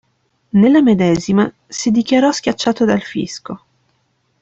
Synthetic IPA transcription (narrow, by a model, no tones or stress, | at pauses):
nelːamed̪ɛːzima | sid̪ikjaɾɔsk̟jat͡ʃːaːt̪od̪alfḭsko